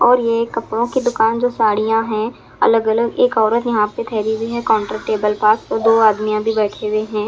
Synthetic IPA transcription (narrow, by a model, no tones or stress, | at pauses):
ɔːɾjeːkːɐpɽõkid̪ʊkaːnd͡ʒoːsaːɽijãɦɛ̃ː | ɐ̰ləɡɐləɡeːkɔːɾət̪jɐɦãpet̪ʰɛːɾibʱiɦɛkɔ̃ːɳʈɾaʈeːbəlpaːsoɾd̪oːaːd̪mijãbʱibɛːʈʰeʊeɦɛ̃ː